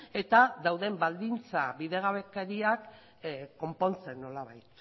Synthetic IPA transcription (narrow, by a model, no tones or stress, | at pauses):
e̞t̪aðawðe̞mbald̪int͡saβiðe̞ɣaβe̞keɾiak | ko̞mpo̞nt͡se̞nːo̞laβajt̪